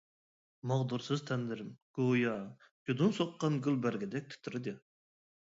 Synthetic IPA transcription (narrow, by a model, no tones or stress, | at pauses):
mɑʁd̪uɾsɨz̥t̪ʰɛnd̪ɪɾɪmɡ̥ojɑ | jod̪unsoqːɑnɡʲylbæɾɡʲɪd̪ɛk̚ʲt̪ʰy̥t̪ʰɪɾɪd̪ɨ